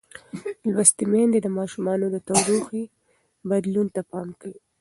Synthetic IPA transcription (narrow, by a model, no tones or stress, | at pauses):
lwast̪imend̪ed̪əmɑʃumɑnod̪ət̪awɾuxi | bad̪lunt̪apɑmkawi